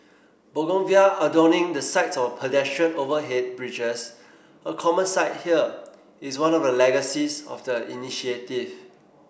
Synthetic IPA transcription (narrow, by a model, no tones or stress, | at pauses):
boɡɔ̃nviaədɔnɪ̃ŋdəsaɪtsɔfpʰədɛstɹə̃novəɦɛt̚bɹid͡ʒəs | əkʰɔmə̃nsaɪt̚hiə | iswãnɔfdəlɛɡəsisɔ̰fdəḭniʃietiv